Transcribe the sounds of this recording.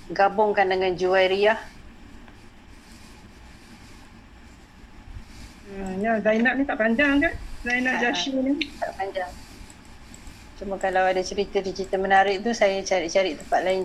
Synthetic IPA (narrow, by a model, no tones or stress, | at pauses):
ɡabʊŋkandəŋand͡ʒuwajɾiah | jazajnaʔnit̪aʔpaɲd͡ʒaŋkanzajnaʔd͡ʒaʃinit̪aʔpaɲd͡ʒaŋ | t͡ʃuməkalawadat͡ʃəɾit̪ədit͡ʃəɾit̪əmənaɾɪʔ̚t̪usajat͡ʃaɾiʔt͡ʃaɾɪʔt̪əmpat̪̚laɪn